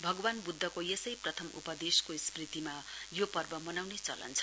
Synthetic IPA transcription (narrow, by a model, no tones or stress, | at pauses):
bʱʌɡʌwanbud̪ʱːʌkojesʌjprʌt̪ʰʌmʔṵpʌd̪eskosprit̪imajopʌrbʌmʌnawnet͡sʌ̰lʌ̰nt͡sʰʌ̥